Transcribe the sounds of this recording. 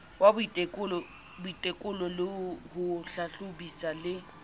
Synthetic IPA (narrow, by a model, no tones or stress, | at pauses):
wabʊitʼekʼʊlɔ | bʊitʼekʼʊlɔlɪhʊɬaɬʊbisalɪ